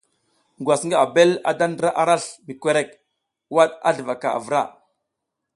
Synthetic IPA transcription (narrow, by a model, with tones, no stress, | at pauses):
ŋɡwa˨sŋɡa˦a˨be˦la̰˨da˦ndə˦ɾa˦ʔa˨ɾa˦ɬmi˨kʷe˦ɾe˦˨k̚ | wa˦ɗa̰˦ɮə˨va˨ka̰˨a̰˨və˨ɾa̰˦˨